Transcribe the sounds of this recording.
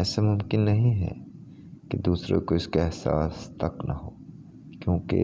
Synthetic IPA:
ɛːsemʊmkɪnːɐɦĩɦɛ̰ | ked̪uːsɾḛkoɪskaɛɦsa̰ːst̪ɐknɐɦoː | kjõːkḛ

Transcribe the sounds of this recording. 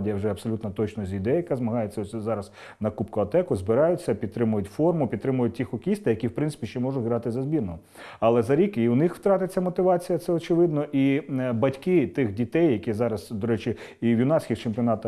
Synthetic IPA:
dʲijɐwʒɛɐpsɔlʲut̪nɐt̪ɔt͡ʃnɔzʲid̪ɛjɐkazmɐɦɑjet͡sʲɐɔsʲzɑɾɐz | nɐkupkʊɐt̪ɛkʊzbɪɾɑjʊt͡sʲːɐpʲid̪̚t̪ɾɪmʊjʊtʲfɔrmʊpʲd̪t̪ɾɪmʊjʊt̚ʲtʲixɔkʲist̪ɐjɐkʲiwpɾɪnsɪ̥pʲiʃt͡ʃɛmɔʒʊɣɾɑt̪ɪzɐzbʲirnɔɔ | ɐlˠɛzɐɾʲikiʊnɪxwt̪ɾɑt̪ɪt͡sʲːɐmɔt̪ɪʋɑt͡sʲijɐt̪sɛɔt͡ʃɪʋɪd̪nɔʔibɐtʲkɪt̪ɪxdʲit̪ɛjːɐkʲizɑɾɐzd̪ɔɾɛt͡ʃɪiwjʊnɑsʲkʲixt͡ʃempʲiɔnɑt̪ɐ

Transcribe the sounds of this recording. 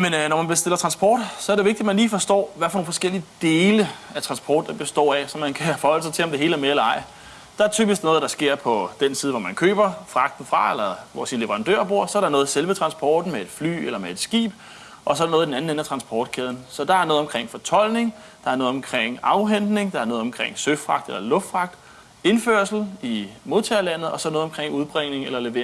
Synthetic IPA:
mennɒmænb̥esd̥e̝l̰ɐt͡sʰʁɑ̈nsb̥ɒːd̥sɒɐɾeʋeɡ̚di̥æmænliːfɒ̽sd̥ɒ̰ːʋæfɒnoːnfɒ̽sɡ̥el̰iəd̥e̝ːləæt͡sʰʁɑ̈nsb̥ʰɒ̰ːd̥ɑb̥e̝sd̥ɒ̰ːæsɒ̽mænkʰæfɒ̽hɒ̽l̰əsɑ̈ɪt͡sʰe̝lɒ̽md̥e̝ɦe̝ːləæɐmeelɐɑ̈ɪ̰ | d̥ɑ̈æɐt͡sʰyːb̥isɡ̥nɔ̽ːð̞̩ˠd̥ɑ̈sɡ̥e̝ɐ̰pʰɒ̽d̥ensiːð̞̩ˠʋɒmænkʰø̰ːb̥ɐfʁɑ̈ɡ̥d̥n̩fʁɑ̈elɐʋɒsinle̝ʋəɐʁɑ̈nd̥ø̰ːɐ̰b̥uɐ̰sɒ̽ɐɾ̥ɑ̈nɔ̽ːð̞̩ˠselʋət͡sʰʁɑ̈nsb̥ɒːd̥n̩mee̝d̥fly̰ːelɐmee̝d̥sɡ̥ḭːb̥ | ʔɒ̽sɒ̽ɐɾɑnɔð̩ˠdenæn̩enæt͡sʰʁɑ̈nsb̥ʰɒːd̥̚kʰeð̞ˠn̩sɒ̽d̥ɑ̈æɐnɔːð̩ˠɒ̽mkʰʁeŋ̰fɒ̽t͡sʰɒ̽l̰ne̝ŋ | d̥ɑ̈æɐnɔ̽ːðˠɒ̽mkʰʁeŋ̰ɑ̈ʊɦen̰d̥ne̝ŋd̥ɑ̈æɐnɔ̽ːð̩ˠɒ̽mkʰʁeŋ̰søfʁɑ̈ɡ̥d̥elɐlɔ̽fd̥fʁɑ̈ɡ̥̚d̥ | e̝nføɐsl̩imo̝ðˠt͡sʰɛːɐlæn̰ð̩ˠɒ̽sɒ̽nɔːð̩ˠɒmkʰʁeŋ̰uð̞ˠb̥ʁeŋne̝ŋelɐle̝ʋe̝

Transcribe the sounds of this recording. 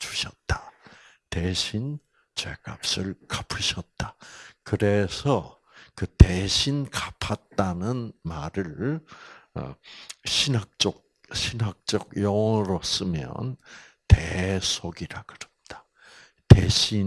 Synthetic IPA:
t͡ɕu̥ɕʰʌt̚t͈a | teɕʰin | t͡ɕwekap̚s͈ɯɭkḁpʰɯɕʰʌt̚t͈akɯɾesʰʌ | kɯteɕʰinkapʰat̚t͈anɯnmaɾɯɭ̰ | ɕʰinɦak̚t͡ɕ͈ok̚ | ɕʰinɦak̚t͡ɕ͈ʌɡjʌŋʌɾos͈ɯmjʌ̰n | tesʰoɡiɾakɯɾɯt̚t͈ḁ | teɕʰi

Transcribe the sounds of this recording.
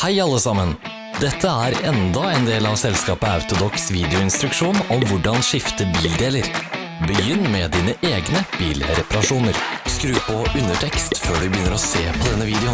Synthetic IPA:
hæɪɑlːəsɑmən | d̪ɛt̪ʰːəæɾɛnd̪ɑɛnd̪eːlɑʋsɛlskɑːpəɑʉt̪ʊd̪ɔksʋiːd̪ɪʊɪnst̪ɾʉkʂuːnɔmʋʊɖɑnʂɪft̪əbiːld̪eːləɾ | bəjʏnːmɛd̪iːnəʔeːɡnəb̥iːlɾɛpɑɾɑʂuːnəɾskɾʉːpɔʉnːəʈʰɛkst̪føːɖʉbəjʏnːəɾɔseːpʰɔd̪ɛnːəʋiːd̪ɛʊ

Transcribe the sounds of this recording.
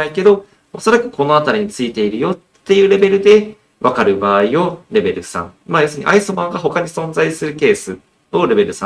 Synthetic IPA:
aike̞d̪o̞ | oso̞ɾakɯ̟ko̞no̞at̪aɾʲiɲ̟it͡sɨit̪e̞iɾɯ̟jo̞t̪ːe̞jɯ̟ːɾe̞be̞ɾɯ̟d̪e̞ | βakaɾɯ̟baːio̞ɾe̞be̞ɾɯ̟sã̰ŋmaːjosɨɲ̟ḭʔaisomãŋɡaɦo̞kaɲ̟isõ̞nzaisɨɾɯ̟ke̞ːsɨ | o̞ɾe̞be̞ɾɯ̟sã

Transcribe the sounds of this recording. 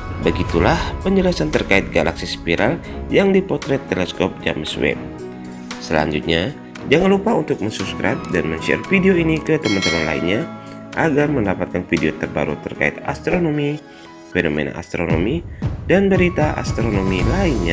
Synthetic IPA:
bəɡit̪ulahpəɲd͡ʒəlasant̪ərkaɪt̪̚ɡalaksispiɾal | jaŋdipɔt̪ɾɛt̪ːelɛskɔp̚d͡ʒa̰məswɛ̰p̚ | səla̰ɲd͡ʒut̪̚ɲa | d͡ʒaŋanlupaunt̪ʊk̚məŋsupskɾap̚danməɲt͡ʃiɛ̰rfideoinikət̪əmənt̪əmanla̰inɲaʔaɡarməndapat̪̚kanfideot̪ərba̰ɾṵt̪ərka̰ɪ̰t̪a̰st̪ɾonomi | fenomḛna̰ʔa̰st̪ɾono̰midanbəɾit̪aʔa̰st̪ɾonomilainɲa

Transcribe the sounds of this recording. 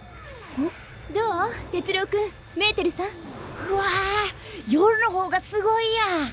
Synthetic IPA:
ɡo | d̪oːt̪e̞t͡sɨɾʲokɯ̟ | me̞ːt̪eɾɯ̟sãɯa | joɾɯ̟no̞ɦo̞ːɡasɨɡo̞ija

